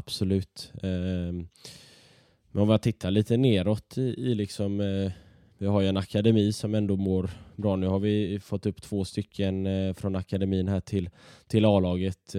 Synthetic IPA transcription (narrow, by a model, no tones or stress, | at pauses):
ab̥sɔlʉ̟ːt̪ː | mɛnɔmɪhat̪ʰɪt̪ʰːaliːt̪əneːɾɔt̪ʰːɪɪlɪksɔm | vɪhaɾjɵɛnakad̪ɛmiːsɔmɛnd̪oːmoːɾbɾɑːnʉ̟ːhaɾvɪfɔt̪ːɵpːt̪ʰv̥oːst̪ʏkʰːənfɾɔnakad̪ɛmiːənɦæːʈʰɪlt̪ʰɪlɑːlɑːɡət̪